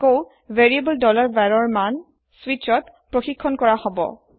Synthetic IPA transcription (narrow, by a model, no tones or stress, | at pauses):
kow | veɹiebɔldɔlaɹbɛɹɔɹman | swit͡ʃɔt | pɹoxikʰːɔnkɔɹahɔbɔ̰